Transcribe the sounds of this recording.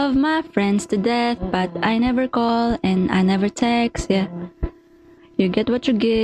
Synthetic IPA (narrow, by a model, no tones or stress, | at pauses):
ʌvmafɹɛ̃nd̪st̪ɨd̪ɛθb̥ʌt̪ʔajnɛvəɹkɔlɛ̃na̰jnɛvəɹt̪ʰɛksjæ | juɡɛt̪̚wʌt͡ʃuɡɛ